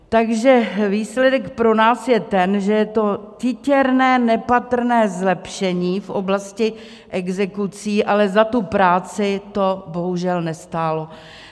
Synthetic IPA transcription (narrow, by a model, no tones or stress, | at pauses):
t̪aɡʒɛviːslɛdɛkpɾo̞naːsjɛt̪ɛnʒɛjɛt̪o̞cɪcɛɾnɛːnɛpat̪r̩nɛːzlɛpʃɛɲiːfʔo̰blascɪ | ʔɛɡzɛkut͡siːʔalɛzat̪upɾaːt͡sɪt̪o̞bo̞ɦuʒɛlnɛst̪aːlo̞